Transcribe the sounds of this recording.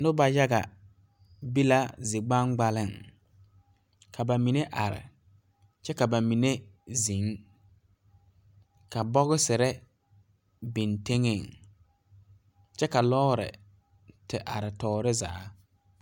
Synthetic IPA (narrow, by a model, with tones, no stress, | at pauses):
nʊ˦ba˨ja˦ɡa̰˨ | bi˦la˦zi˨ɡ͡ba˦ŋɡ͡ba˦lɪ˦˨ŋ | kʰa˨ba˨mi˨ne˦ʔa˨ɾɪ̰˨ | t͡ʃɛ˦ka˨ba˨mi˨ne˦zi˨˦ŋ | ka˨bɔ˦ɣɪ˦sɪ˨ɾɛ˦ | bi˨nte˦ŋe˦˨ŋ | t͡ʃɛ˦ka˨lɔː˦ɾɪ̰˨ | tɪ˨ʔa˨ɾɪ˨tɔː˦ɾɪ˦za̰ː˨˦